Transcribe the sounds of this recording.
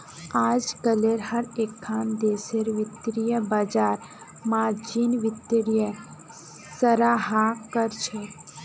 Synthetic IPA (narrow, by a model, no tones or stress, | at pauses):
aːd͡ʒkəleɾhɐɾeːkʰːaːnd̪eːseɾʋɪt̪ɾijəbad͡ʒaːɾ | maːd͡ʒiːnʋɪt̪ɾijə | səɾaːɦakəɾt͡ʃʰe